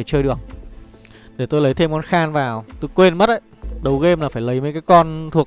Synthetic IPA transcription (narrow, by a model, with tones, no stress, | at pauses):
e˧˩t͡ɕəː˧jɗɨ˨˩ək̚ | ɗe˧˩t̪o˧jlə˨˦jt̪ʰe˧mkɔ˨˦nxaː˧nvaː˨˩wt̪o˧jkwe˧nmə˦˥t̚ʔə̰˧˦jɗə˨˦wɣe˧mlaː˨˩faː˧˩jlə˨˦jmə˨˦jkaː˨˦jkɔ˧nt̪ʰu˨˩ək